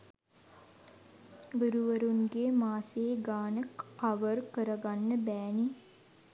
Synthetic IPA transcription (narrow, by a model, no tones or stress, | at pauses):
ʋiɾuʋəɾunɡemaːseːɡaːnəkaʋərkəɾəɡanːəbæːni